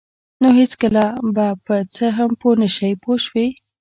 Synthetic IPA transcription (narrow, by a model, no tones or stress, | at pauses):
noɦɪt͡skəlabapət͡səɦamponəʃəjpoʃwi